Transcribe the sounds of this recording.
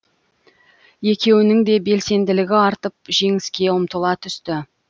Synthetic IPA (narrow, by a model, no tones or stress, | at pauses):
je̞kʲe̞wɪnɪŋd̪e̞be̞lse̞nd̪ɪlɪɡʲɪɑɾt̪əp̚ʒe̞ŋɪskʲe̞əmt̪əlˠɑt̪ʰʏst̪ɪ